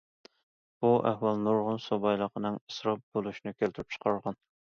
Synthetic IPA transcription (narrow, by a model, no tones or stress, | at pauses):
b̥uʔæhwɑlˠnuɾʁʊnsobɑjlˠəqʰənɨŋəsɾɑp̚b̥olˠuʃinɨkʲelt̪ʰɪɾyp̚t͡ʃʰə̥qʰɑɾʁɑn